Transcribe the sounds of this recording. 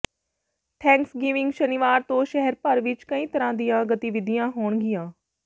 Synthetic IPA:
ʈʰɛ̃ːŋksɡɪʋɪ̃ŋɡʃənɪʋaːɾt̪õːʃɛɦɛɾpəɾʋɪt͡ʃkəĩːt̪əɾãːd̪ɪjãːɡət̪iʋɪd̪ɪjãːɦoːɳɡɪjãː

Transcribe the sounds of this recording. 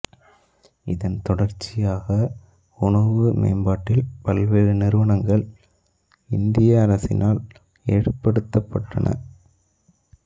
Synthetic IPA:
ɪðɐnt̪ɔɽɐɾt͡ʃːɪjaːɣɐ | ʊɳɐʋɯmḛːmbaːʈːɪlpɐlʋeːɻɯnɪɾɯʋɐɳɐŋɡɐɭ | ɪnd̪ɪjɐːɾɐsɪ̰nʔaːl | eːɽɯpːɐɽɯt̪ːɐpːɐʈːɐ̰nɐ̰

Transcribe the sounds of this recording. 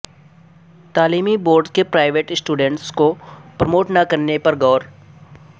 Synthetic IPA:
t̪aːliːmiboːɾɖzkepɾaːɪʋeːʈsʈuːɖə̃ɳʈskopɾɐmoːʈnakɐɾnepɐɾɡɔːɾ

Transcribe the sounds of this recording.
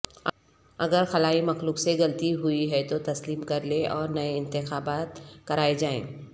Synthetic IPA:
ɐ̰ɡəɾxɐlaːimɐxluːkseɣɐlt̪iɦʊiɦɛt̪ot̪ɐsliːmkɐɾleɔːɾnɐeɪ̃nt̪ɪxaːbaːt̪kɐɾaːed͡ʒaːḛ̃ː

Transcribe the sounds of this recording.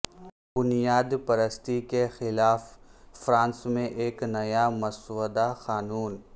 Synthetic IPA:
bʊnijaːd̪pɐɾəst̪ikexɪlaːfːɾãːnsmẽʔeːknɐjamɐswəd̪axaːnuːn

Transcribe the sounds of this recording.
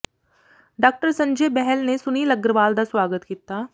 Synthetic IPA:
ɖaːk̚ʈəɾsɐ̃ɲd͡ʒeːbɛɦɛlnesʊniːlɐɡɾəʋaːld̪asʋaːɡət̪kiːt̪aː

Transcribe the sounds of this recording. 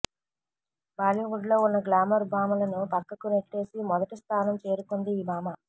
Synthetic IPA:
baːljuɡuɖlo̞ːunːɐɡlaːmɐɾbʱaːmɐlɐnupɐkːɐkuneʈːe̞ːsimɔd̪ɐʈist̪ʰaːnɐmt͡ʃe̞ːɾukond̪iːmaːmɐ

